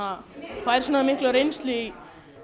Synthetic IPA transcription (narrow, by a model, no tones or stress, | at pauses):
afajɾsɔnamɪhklaɾejnsli